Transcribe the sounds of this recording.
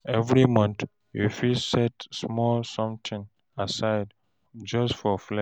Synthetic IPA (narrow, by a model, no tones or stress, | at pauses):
ɛvɹimʌ̃nt̪ | jufisɛtsmɔlsɔ̃mtʰĩŋ | asaɪd | d͡ʒʌsfɔflɛ